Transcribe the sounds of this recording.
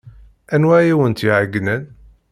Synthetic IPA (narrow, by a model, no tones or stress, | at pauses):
ænwæjæwənt̪iʕəɡːnən